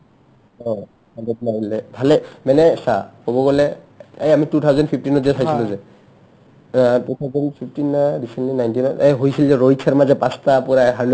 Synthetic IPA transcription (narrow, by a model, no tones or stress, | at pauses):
ɔ | aɡɔt̚naɡɔlɛbʱalɛmɛnɛsakobɔɡɔlɛ | ejamitut̪ʰawzɔndpʰip̚ʰtinɔzɛsʰajsiluzɛ | atut̪ʰawzɔndpʰipʰtinːaɹisɛnlinajntinaʔeɦojsilzɛɹojsʰaɹmazɛpãstapuɹaɦad